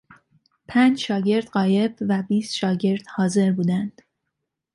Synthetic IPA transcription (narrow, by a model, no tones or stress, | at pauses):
pʰænd͡ʒʃɒːɟe̞ɾd̪̥ɢɒːje̞bvæbiːst̪ʃɒːɟe̞ɾd̪̥hɒːze̞ɾbuːd̪ænd̪̥